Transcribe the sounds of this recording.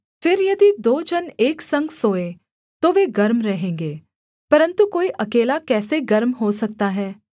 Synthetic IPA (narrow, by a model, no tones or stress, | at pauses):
pʰɪɾjɐd̪id̪oːd͡ʒəneːksə̃ŋɡsoːe | t̪oʋeːɡɐɾmɾɛɦẽːŋɡeː | pɐɾə̃nt̪ukoːiʔɐkeːlakɛːseɡɐɾmɦosɐk̚t̪aɦɛː